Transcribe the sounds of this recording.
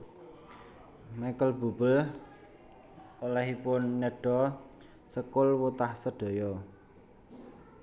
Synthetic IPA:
makəlb̥ṳb̥əl | olɛɦipʊnːeɖ̥ɔ | səkʊlwut̪ahsəɖ̥o̤jɔ

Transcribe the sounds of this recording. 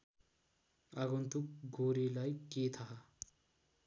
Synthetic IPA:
aɡunt̪ʰukɡʱoɾilajket̪ʰaɦa

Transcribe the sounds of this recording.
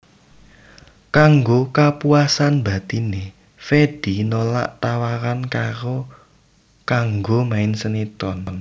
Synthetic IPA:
kaŋɡokapuasanba̤t̪ine | fed̥i̤nola̰ʔt̪awaɾankaɾo | kaŋɡomaɪnsənit̪ɔn

